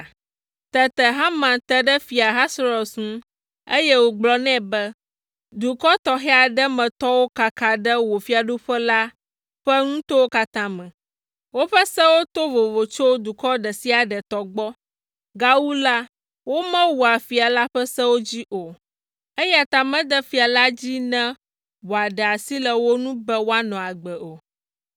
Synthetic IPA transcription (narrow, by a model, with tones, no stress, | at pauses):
t̪ɛ˨t̪ɛ˨ɦã˦mã˨t̪ɛ˦ɖɛ˦fi˨a˨ɦa˦sɾɔ˨sŋũ˦ | e˦jɛ˦wo˨ɡ͡blɔ˨˦nɛ̃˦bɛ˦ | d̪u˨kɔ˦t̪ɔ˨xɛ˦a˨ɖɛ˦mɛ̃˨t̪ɔ˦wo˦ka˨ka˨ɖɛ˦wo˨fi˦a˨ɖu˦ɸɛ˦la˦ | ɸə˦ŋũ˦t̪o˦wo˦ka˦t̪ã˦mɛ̃˨ | wo˦ɸə˦sɛ̃˦wo˦t̪o˦vo˨vo˨t͡ʃo˦d̪u˨kɔ˦ɖɛ˨si˦a˨ɖə˨t̪ɔ˨ɡ͡bɔ˦ | ɡa˦wu˦la˦ | wo˦mɛ̃˦wu˨a˨fi˨a˨la˦ɸə˦sɛ̃˦wo˦d͡ʑi˦ʔo˨ | e˦ja˨t̪a˨mɛ̃˦d̪ɛ˦fi˨a˨la˦d͡ʑi˦nɛ̃˦ | wo˨a˨ɖɛə˨a˨si˦lə˨wo˦nũ˦bɛ˦wo˦a˦nɔ̃˨a˨ɡ͡bɛ˨ʔo˨